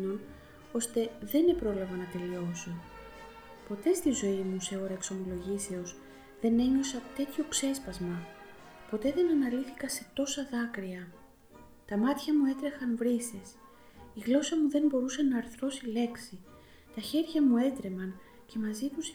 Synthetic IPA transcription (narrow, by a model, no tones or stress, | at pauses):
o̞n | o̞st̪e̞ðe̞ne̞pɾo̞lɐvɐnɐt̪e̞lio̞so | po̞t̪e̞st̪izo̞imuse̞oɾɐekso̞mo̞lo̞ʝise̞o̞s | ðe̞ne̞ɲo̞sɐt̪e̞t̪ço̞pse̞spɐzmɐ | po̞t̪e̞ðe̞nɐnɐliθikɐse̞t̪o̞sɐðɐkɾiɐ | t̪ɐmɐt̪çɐmue̞t̪ɾe̞xɐnvɾises | iɣlo̞sɐmuðe̞nbo̞ɾusɐnɐːɾθɾo̞sile̞ksi | t̪ɐçe̞ɾʝɐmue̞t̪ɾe̞mɐn | ce̞mɐzit̪us